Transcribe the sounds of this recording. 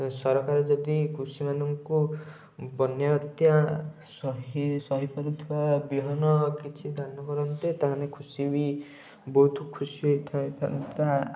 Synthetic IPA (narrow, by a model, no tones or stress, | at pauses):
sɔɾɔkaɾɔd͡ʒɔd̪ikʰusimanɔŋku | bɔnjat̪ja | sɔɦisɔɦipɔɾut̪ʰiwabiɦɔnɔkit͡ʃʰid̪ʱanɔkɔɾɔnt̪et̪aɦanekʰusibi | bɔɦut̪ʰukʰusiɦojt̪ʰaẽt̪ʰa̰t̪a